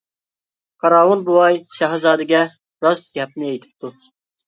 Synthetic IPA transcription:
qʰɑɾɑwunbuɑjʃɑɦzɑːd̪ɨɡʲɛ | ɾɑst̪̚ɡʲɛp̚nɪejt̪ʰɪ̥p̚t̪u

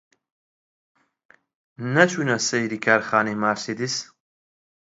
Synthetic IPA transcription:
nɐt͡ʃʰunɐsejɾikʰaɾχaːnimaːɾsid̪is

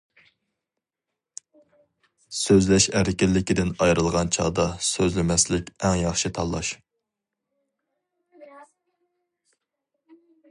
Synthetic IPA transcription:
søzlɛʃæɾɪkʲɪlːɪkʲid̪ɪnɑjɾɨlˠʁɑnt͡ʃʰɑ̰d̪ɑsøzlɪmɛslɪkʲɛŋjɑχʃɨt̪ʰɑlˠːɑ̰ʃ

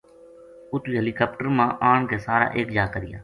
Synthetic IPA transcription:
ʊt̪iːɦeːliːkaːp̚ʈəɾmãːʔaːɳkeːsaːɾa̰ːʔeːkd͡ʒaːkəɾɪja̰ː

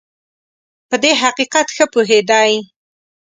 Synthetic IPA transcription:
pəd̪eɦaqiqat̪xəpuɦed̪ɑj

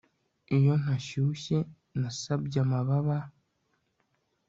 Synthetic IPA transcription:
ijo̞n̥haʃuɕe | nasabɟamaβaβa

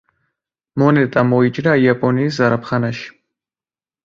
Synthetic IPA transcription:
mɔnɛt̪ʼamɔit͡ʃʼɾaiapʼɔniːs̬zaɾapʰχanaʃi̥

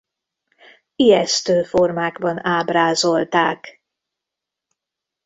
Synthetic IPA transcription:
ijɛst̪øːformaːɡbɒnaːbraːzo̞lt̪aːk

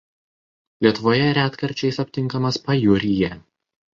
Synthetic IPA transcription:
lʲiɛt̪ʊʋoːjɛɾʲæːt̪kɐɾʲt͡ʃʲɛɪsɐpʲt̪ʲɪŋˑkɐmɐspɐjʊɾʲɪjɛ

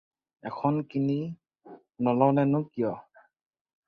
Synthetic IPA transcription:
ɛkʰɔnkini | nɔlɔwnɛnʊkijɔ

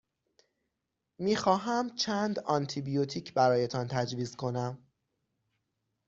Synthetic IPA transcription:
miːxɒːɦæmt͡ʃʰænd̪ɒnt̪ʰibijot̪ʰiːcʰbæɾɒːjet̪ʰɒnt̪ʰæd͡ʒviːzkʰo̞næm

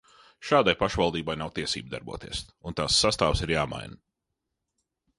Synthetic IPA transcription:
ʃaːd̪ajpaʃvalˠd̪iːbajnawt̪iɛsḭːb̚d̪a̰ɾbṵɔt̪iɛsunt̪aːsːast̪aːvsiɾjaːma̰jn

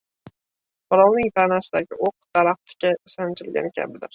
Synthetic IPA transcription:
bɒlˠɒwnɪŋt̪ʰanasɪd̪aɡʲɪʔoq̚d̪̥aɾaχ̚t̪ʰɪ̥kʲaɪsant͡ʃ̪ʰɪlɡʲa̰nɪkʲʰa̰bɪd̪ɪɾ

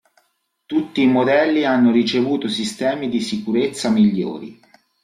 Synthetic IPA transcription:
t̪ut̪ːiːmod̪ɛlːianːoɾit͡ʃevuːt̪osist̪ɛːmid̪isikuɾet̪sːamiʎːo̰ːɾḭ

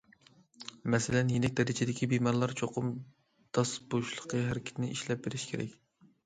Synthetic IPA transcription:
mɛsɪlɛnjenɪk̚ʲd̪ɛɾɪt͡ʃʰid̪ɪkʲʰibimɑɾlˠɑɾt͡ʃʰoqʰʊm | d̪̥ɑsboʃlˠəqəɦæɾɪkʲʰɪ̥t̪nɪʔiʃlɛp̚beɾɪʃkʲʰeɾɛ̰kʲ

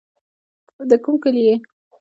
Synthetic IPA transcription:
d̪əkumkəlje

